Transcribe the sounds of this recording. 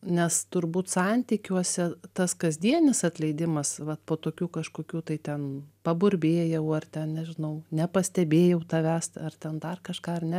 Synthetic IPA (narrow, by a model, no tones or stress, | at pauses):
nʲɛst̪ʊrbuːt̪sɑnʲt̪ʲikʲuɔsʲɛt̪ɐskɐzʲd̪ʲiɛnʲɪsɐt̪ʲlʲɛɪd̪ʲɪmɐsʋɐt̪poːt̪oːkʲuːkɐʃkoːkʲuːt̪ɐɪt̪ʲɛnpɐbʊɾʲbʲeːjɛʊɐrt̪ʲɛnnʲɛʒʲɪnɐʊnʲɛpɐsʲt̪ʲɛbʲeːjɛʊt̪ɐʋʲæst̪ɐrt̪ʲɛnd̪ɐrkɐʃkɑːɐrnʲɛ